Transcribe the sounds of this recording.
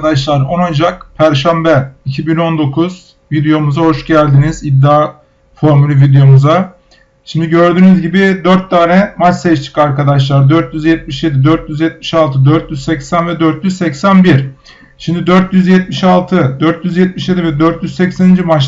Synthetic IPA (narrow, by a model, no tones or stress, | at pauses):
d̪aʃlˠaɾonond͡ʒakpʰæɾʃæmbɛicʰibino̞nd̪o̞kʰuz̥ | vid̪ejo̞muzaho̞ʃɟælʲd̪inizib̚d̪ːaː | fo̞ɾmulʲyvid̪ejo̞muza | ʃimd̪iɟø̞ɾd̪yːnyzɟibid̪øɾt̪̚d̪aːɾɛmat͡ʃsɛt͡ʃt͡ʃʰi̥kaɾkad̪aʃ̬lˠaɾd̪øɾt̪jyzjɛt̪̚miʃje̞d̪id̪øɾt̪̚ʰjyzjɛt̪̚mi̥ʃalˠt̪ʰɯd̪øɾt̪ʰjyzsɛcsænvɛd̪øɾt̪jyzsɛcsænbiɾ̥ | ʃimd̪id̪øɾt̪ʰjyzjɛt̪miʃalˠt̪ʰɯd̪øɾt̪ʰjyzjɛt̪̚miʃje̞d̪ivɛd̪øɾt̪jyzsɛcsænind͡ʒimat͡ʃ